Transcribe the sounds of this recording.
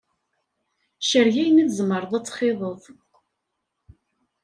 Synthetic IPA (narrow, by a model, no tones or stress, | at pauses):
ʃəɾʝæjnæðzməɾˤəðˤæt͡sːχeðˤəðˤ